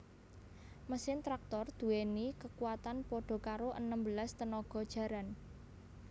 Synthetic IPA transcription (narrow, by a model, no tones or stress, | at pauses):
məsɪnt̪ɾak̚t̪ɔrd̪̥ṳwenikəkuwat̪anpɔɖ̥ɔ̤kaɾoʔənəmbəlast̪ənɔɡ̥ɔ̤d̥ʒ̥ä̤ɾan